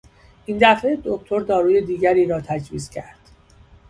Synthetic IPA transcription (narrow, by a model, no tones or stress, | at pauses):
ʔiːnd̪æfed̪o̞k̚t̪ʰo̞ɾd̪ɒːɾuːje̞d̪iːɟæɾiːɾɒːt̪ʰæd͡ʒviːzcʰæɾd̪̥